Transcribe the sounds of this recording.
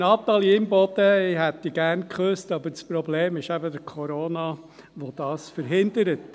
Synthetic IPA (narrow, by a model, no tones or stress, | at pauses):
nɑːt̪ːɑlɪmbɔd̪̥əɪɦɛtːiɡæɾnkʰχøstɑbəɾt͡spɾɔbleːmɪʃæbədəkʰɔɾoːnɑ | ʋod̥̪ɑːsfəɾɦɪnd̪əɾət